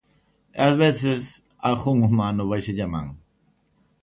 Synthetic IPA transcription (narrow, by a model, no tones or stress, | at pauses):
ḛazβesɪs | axuŋumanʊβajsɪʎama̰ŋ